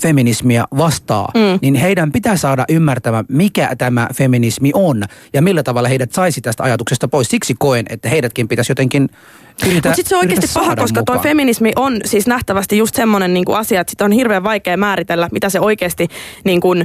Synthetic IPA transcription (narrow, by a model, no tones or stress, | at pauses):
feminismiæʋɑst̪ɑ̰ːninheidæmpit̪æsɑːdɑʔymːært̪æmæmikæ̰t̪æmæ̰feminismiʔonjɑmilːæt̪ɑʋɑlːɑheiɾæt̪sɑisit̪æst̪æɑjɑt̪uksest̪ɑpoissiksikoenʔḛt̪ːæheidæt̪kimpit̪æsjot̪eŋkin | yrt̪ææsit̪seoiestipɑhɑkoskɑt̪oifeminismiʔonsiːsnæht̪æʋæst̪ijjust̪semːonenniːŋkṵɑsiɑet̪si̥t̪onhirʋeːʋʋɑikeːmæːɾit̪elːæmit̪æseoikeːst̪iniːŋkun